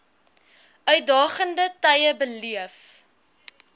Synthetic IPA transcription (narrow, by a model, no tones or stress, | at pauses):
œɥt̚dɑːχəndətɐjəbəliəf